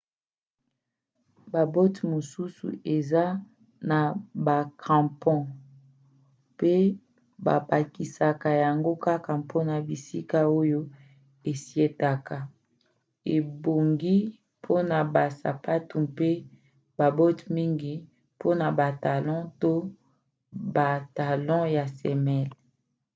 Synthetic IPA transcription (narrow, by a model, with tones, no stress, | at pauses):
ba˨bo˦tmo˨su˦sṵ˨e˨za˦ | na˨ba˨kʰã˨pʰɔ̃˦ | pe˦ | ba̰˨pa˨ki˨sa˨ka˨ja˨ŋɡo˦ka˦ka˨pʰo˦na˨bi˨si˦ka˦o˦jo˦ | e˨si˦e˦ta˨ka˨ | e˨bo˨ŋɡi˦ | pʰo˦na˨ba˨sa̰˨pa˦tu˨pe˦ | ba˨bo˦tmi˦ŋɡi˦ | po˦na˨ba˨ta˨lɔ̃˦to˦ | ba˨ta˨lɔ̃˦ja˨sɛ˨mɛ˦l